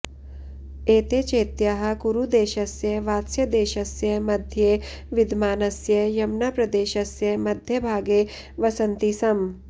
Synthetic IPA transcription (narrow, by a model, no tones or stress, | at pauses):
eːt̪eːt͡ʃeːt̪jaɦɐ̆kuɾud̪eːʃɐsjɐʋaːt̪sjɐd̪eːʃɐsjɐmɐd̪ʱje | ʋid̪ʱmaːnɐsjɐjɐmnɐpɾɐd̪eːʃɐsjɐmɐd̪ʱjɐbʱaːɡeː | ʋɐsɐnt̪isɐm